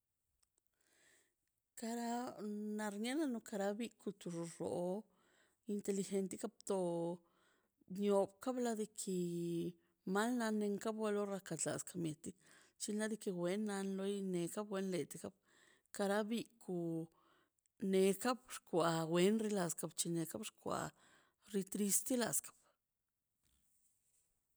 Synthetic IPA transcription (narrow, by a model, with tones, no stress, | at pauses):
ka˧ɾa˧˦na˧ɾɲa˦na˧no˧ka˧ɾa˧bi˦˧ku˧t̪u˧ʐɾo̰˨ | i˧nt̪e˧li˧xe˧nt̪i˦ka˦b̚t̪o˧ | ɲo˧bka˦bla˧d̪i˧kʰi˧ | ma˦lna˧ne˧ŋka˦bwa˧˦lo˦ɾa˧ka˨t̪la̰˨ska˧mje˨t̪i˦ | t͡ʃi˧nla˦d̪i˧ki˧wʷe˧nːa˧nlo˧jne˧ka˦bwe˧nle˨t̪i˧ka˦b̚ | ka˧ɾa˦bi˧ku˧ | ne˧ka˦bɾkʷa˨we˧nɾi˧la˧ska˧bt͡ʃi˧ne˧ka˦bɾkʷa̰˧˨ | ɾi˧t̪ɾi˧st̪i˦la̰˨skḁ˦b̥